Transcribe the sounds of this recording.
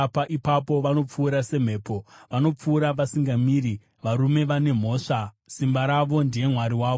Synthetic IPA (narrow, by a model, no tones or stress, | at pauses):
paʔipapo̞ʋano̞p͡fuːɾase̞m̤e̞ːpo̞ʋano̞p͡fuːɾaʋasiŋɡamiːɾi | ʋaɾume̞ʋane̞m̤o̞ːʂa | simbaɾaʋo̞ndije̞mwaɾiwaːʋ